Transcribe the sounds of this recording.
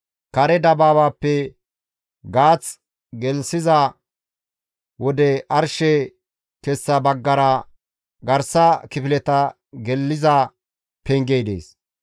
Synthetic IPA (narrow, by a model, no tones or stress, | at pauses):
kɐɾɛd̪ɐbaːbaːpːɛ | ɡaːt͡s | ɡɛlsɪzɐ | wɔd̪ɛɐɾʃɛ | kɛsːɐbɐɡːɐɾɐ | ɡɐɾsɐkɪpɪlɛt̪ɐ | ɡɛlːɪzɐ | pɛŋɡejd̪ḛːs